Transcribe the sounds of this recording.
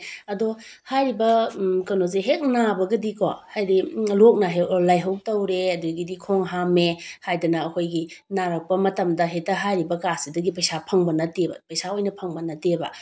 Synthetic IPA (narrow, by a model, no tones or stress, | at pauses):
ɐdohajɾibɐkɐnozeɦek̚nabɐɡɐdiko̰hajdilok̚naɦelajɦɐw̚tɐwɾeɐduɡidikʰoŋɦamehajdɐnɐːkʰojɡinaɾɐk̚pɐmɐtɐmdɐɦetɐɦajɾibɐkasidɐɡipɐjsapʰɐŋbɐnɐtebɐ̰pɐjsaojnɐpʰɐŋbɐnɐtebɐ̰